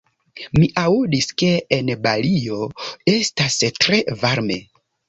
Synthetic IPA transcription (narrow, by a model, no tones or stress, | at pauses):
miʔaudiske̞enbalio̞e̞stastɾe̞vaɾme̞̰